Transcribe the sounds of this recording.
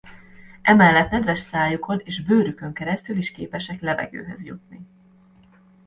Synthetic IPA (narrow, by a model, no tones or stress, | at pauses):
ʔɛmɛlːɛt̪nɛd̪vɛʃsaːjukʰo̞neːʒbøːɾykø̞ŋkɛɾɛst̪yliʃkḛːpɛʃɛklɛvɛ̰ɡø̰ːɦɛ̰zjṵt̪̚ni